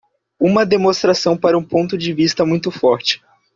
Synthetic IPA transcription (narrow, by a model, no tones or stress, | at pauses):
ũmɐd̪emõst̪ɾasɐ̃w̃paɾɐũpõnt̪ʊd͡ʒɪvist̪ɐmũj̃t̪ʊfɔɾt͡ʃɪ̥